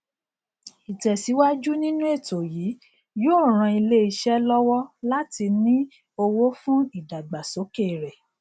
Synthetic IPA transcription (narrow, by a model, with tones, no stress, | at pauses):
i˨tɛ˨si˨˦wa˦d͡ʒu˦nĩ˦nũ˦e˦˨to˨jiː˨˦ | jõː˦˨ɾ̃ã˧i˧le˦i˧ʃɛ˦lɔ˦wɔ˦la˦ti˧nĩ˦ | o˧wo˦fũ˦i˦˨da˨ɡ͡ba˨so˨˦ke˦˨ɾɛ˨